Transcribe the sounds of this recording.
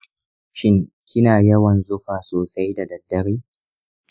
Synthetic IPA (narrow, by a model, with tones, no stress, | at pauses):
ʃɪ˦ŋ | kʲɪ˦naː˨jɐ˦wɐ˨nzʊ˦ɸaː˨soː˨sa˦jda˨dɐ˨dːɐ˦ɾiː˦